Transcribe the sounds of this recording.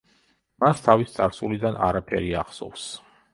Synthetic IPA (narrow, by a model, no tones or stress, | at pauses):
mast̪ʰavist̪sʼaɾsulid̪ana̰ɾapʰɛ̰ɾiaχsɔ̰fs